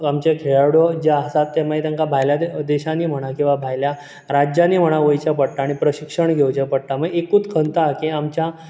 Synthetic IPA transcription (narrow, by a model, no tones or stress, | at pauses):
amt͡ɕekʰeɭaɽɔd͡ʑaasat̪ːemait̪aŋkabʱajljad̪eɕãniːm̤əɽ̃akĩw̃ʋabʱajlja | ɾad͡ʑjaniːm̤əɽ̃aʋəjt͡ɕjapəʈʈːaːɽ̃ipɾəɕikʂəɳɡʱewt͡ɕepəʈʈːaməekuːt͡skʰənt̪akĩamt͡ɕja